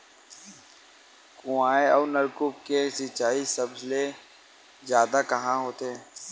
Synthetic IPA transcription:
kʊaːeɔːɾnɐɾkʊpkesɪt͡ʃaːisɐbzle | zjaːd̪akɐɦãɦoːt̪eɦɛ̃ː

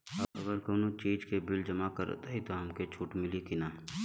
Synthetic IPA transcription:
əɐɡəɾkoːnot͡ʃiːd͡ʒkebɪld͡ʒəmakəɾ̰t̪aɦit̪oɦɐmket͡ʃʰuːʈmɪlikinaː

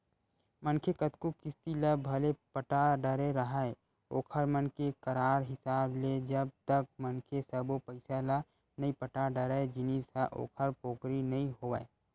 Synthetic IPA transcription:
mənkʰekət̪kukɪst̪iləbʱɐlepəʈaɖəɾeɾəɦae | oːkʰəɾmənkekəɾaːɾɦɪsaːbled͡ʒəb̚t̪ək̚mənkʰesəbopəɪsala | nɐĩpəʈaɖəɾaed͡ʒɪnisaʔo̰ːkʰəɾpoːkɾinɐɦĩɦoːʋa̰

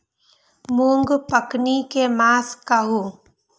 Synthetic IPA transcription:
muːŋɡpəknikemaːskaɦuː

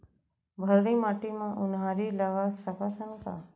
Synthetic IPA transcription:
bʱəɾnimaːʈimãʔʊnɦaɾiləɡasəkasʰənka̰

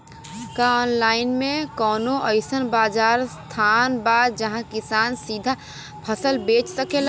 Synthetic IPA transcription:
kaɔːnlaːɪnmẽkɔːnoʔəɪsənbaːd͡ʒaːɾst̪ʰaːnbaːd̪̚d͡ʒɐɦãkɪsaːnsiːd̪ʱa | pʰəsəlbeːt͡ʃsəkel

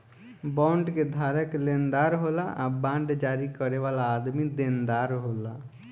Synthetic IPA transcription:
bãɳɖked̪ʱaːɾəklend̪aːɾɦolaʔabãːɳɖd͡ʒaːɾikəɾeʋaːlaːd̪mid̪end̪aːɾɦoːla

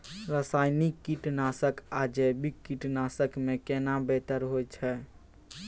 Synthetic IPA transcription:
ɾəsajnikːiʈnasəkad͡ʒebikːiʈnasəkmekenabet̪əɾɦojt͡ʃʰɛ

